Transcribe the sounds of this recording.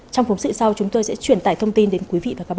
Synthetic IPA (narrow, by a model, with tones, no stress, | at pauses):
t͡ɕɔ˧wŋ͡mfnsɨ̰˧˨sa˧wt͡ɕʊ˨˦ŋ͡mt̪o˧jsɛ̰˧˥t͡ɕwi˧˩ənt̪aː˧˩jt̪ʰə˧wŋ͡mt̪i˧nɗe˨˦nkwi˨˦vḭ˧˨vaː˨˩aː˦k̚ɓa˧